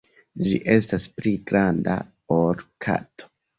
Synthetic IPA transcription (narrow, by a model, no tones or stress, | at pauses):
d͡ʒḭʔe̞staspliɡɾanda̰ | oɾkʰa̰tʰo̥